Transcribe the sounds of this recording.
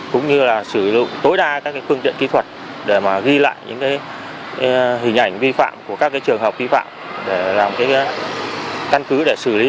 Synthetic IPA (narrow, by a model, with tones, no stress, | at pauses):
kʊ̰˧˥ŋ͡mɲɨ˧laː˨˩sɨ˧˩zʊ̰˧˨ŋ͡mt̪o˨˦jɗaː˧kaː˦˥k̚ːaː˨˦jfɨ˧ənt̪ḭ˧˨ənki˨˦t̪ʰwə˨˩t̚ | ɗe˧˩maː˨˩ɣi˧la̰ː˧˨jɲɨ̰˧˥ŋkaː˨˦j | ɦï˨˩ŋ̟ʔa˧˩jŋ̟vi˧fa̰ː˧˨mku˧˩əkaː˦˥k̚ːaː˨˦jt͡ɕɨ˨˩əŋɦəː˨˩p̚vi˧fa̰ː˧˨mɗe˧˩laː˨˩mkaː˨˦j | ka˧nkɨ˨˦ɗe˧˩sɨ˧˩li˨˦